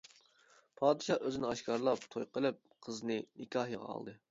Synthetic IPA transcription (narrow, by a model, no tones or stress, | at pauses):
pʰɑːd̪ɨʃɑːʔøzɪnɪɑʃkʰɑɾlˠɑp̚t̪ʰojqʰəlˠɨp̚qʰəznɨnɪkʲʰɑːhijəʁɑ̰ɑ̰lˠd̪ɨ